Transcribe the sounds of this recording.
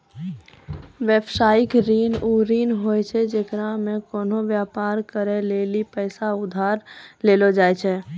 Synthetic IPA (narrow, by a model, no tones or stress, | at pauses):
ʋeːbsaːɪkɾiːnuɾiːnɦoːɛt͡ʃʰɛd͡ʒeːkɾamẽkoːnoʋjaːpaːɾkəɾeleːlipɛːsaʊd̪ʱaːɾleːlod͡ʒaːɛt͡ʃʰɛː